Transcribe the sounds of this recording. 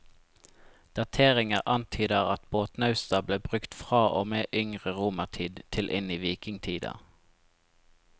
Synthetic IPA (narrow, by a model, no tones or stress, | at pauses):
d̪̥ɑt̪ʰeːʁɪŋəʁʔɑnt̪ʰyːd̪əʁɑt̪boːt̪nɑʉst̪ɑbleːbʁʉkt̪fʁɑːʔoːmeːʔʏŋʁəʁuːməʁt̪ʰiːd̪t̪ʰɪlʔɪ̰niːʋiːkɪŋt̪ʰiːd̪ɑ̰